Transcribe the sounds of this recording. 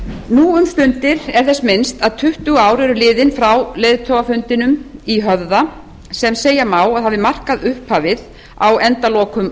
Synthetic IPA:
nuːʏmst̪ʏnt̪ɪɾɛɾ̥θɛsmɪnst̪aðt̪ʰʏht̪ʏaːwɾɛɾʏlɪːðɪnfɾawleːjðt̪ʰowafʏnt̪ɪnʏmiɦœvða | sɛmseːjamaːwaðhavðɪmar̥kaðʏhphaːvɪð | a̰wɛnt̪alɔːkʏm

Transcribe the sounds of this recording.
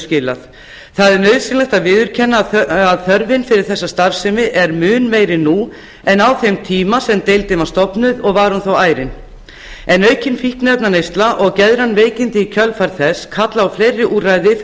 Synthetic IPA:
scɪla̰θ | θaðɛɾnœɥðsɪnlɛht̪aðvɪːðʏɾ̥cʰɛnːaaðθœɾvɪnfɪɾɪɾ̥θɛsːast̪aɾfsɪmɪʔɛɾmʏːnmejɾɪnu | ɛnawθejmt̪ʰiːmasɛmt̪ejlt̪ɪmawst̪ɔpnʏðɔɣvaɾhunθowaːjɾɪn | ɛnœːɥcɪnfihknɛpnanejst̪laʔɔɣcɛðɾanveːjcɪnt̪ɪicʰœlfaɾθɛsːkʰat̪laawfleːjrːɪʔuːrajðɪ

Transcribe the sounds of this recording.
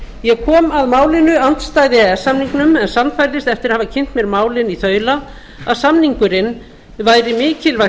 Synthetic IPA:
jɛɣkʰɔːmaðmaːwlɪnʏan̥t̪st̪aːjðɪɛsːamniŋknʏmɛnsanːfajɾlɪst̪ɛft̪ɪɾahavacʰɪn̥t̪mjɛɾmaːwlɪniθœːɥla | a̰ðsamniŋkʏɾɪn | vaːjɾɪmɪːcɪlva

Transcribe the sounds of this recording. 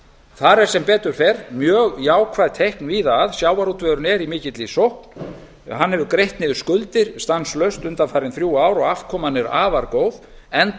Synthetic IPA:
θaɾɛɾ̥sɛmpɛːt̪ʏɾ̥fɛɾmjœːɣjaːwkʰvajðt̪ʰehknviðaðsjaːwaɾut̪vœɾʏnɛɾimɪːcɪt̪lisowhkn̥ | hanːhɛvðʏɾkɾejht̪nɪðʏ̥skʏlt̪ɪɾ̥st̪anslœɥst̪ʏnt̪anfaːɾɪnθɾjuːaːwɾɔɣafkʰɔːmanːɪɾa̰ːvaɾkoːwð | ɛn

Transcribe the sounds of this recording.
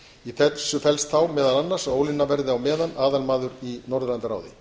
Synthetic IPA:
iθɛt̪sʏfɛlst̪θawmɛːðalanːaɾ̥saoːwlɪnːavɛɾðɪawmɛːðanaːðalmaːðʏɾinɔɾðlant̪aɾa̰ːwðɪ̰

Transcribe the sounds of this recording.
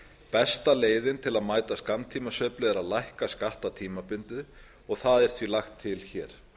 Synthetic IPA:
pɛst̪aleːjðɪnt̪ʰɪlaðmaːjt̪askamnt̪ʰiːmasœːplʏɛɾaðlajhkaskaht̪at̪ʰiːmapʏnt̪ʏ | ɔɣθaðɛɾ̥θvilaxt̪ʰːɪlçɛːɾ̥

